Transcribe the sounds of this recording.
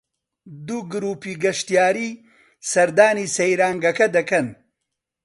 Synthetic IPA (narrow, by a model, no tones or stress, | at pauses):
d̪uɡɾuːpiːɡɐʃt̪ijaːɾiː | sɐɾd̪aːniːsɐjɾaːŋɡɐkɐd̪ɐkɐn